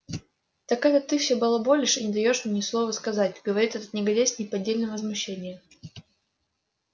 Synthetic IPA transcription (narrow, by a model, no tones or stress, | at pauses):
t̪ɐkajət̪ɨfsʲobɨlˠabolʲɪʂɨnʲɪd̪ɐjo̞ʂnʲnʲɪslˠo̞vəskɐzatʲɡəvɐɾʲit̪ɛt̪ət̪nʲɪɡɐdʲesʲnʲɪpɐdʲːelʲnəvəzmʊɕːenʲɪjə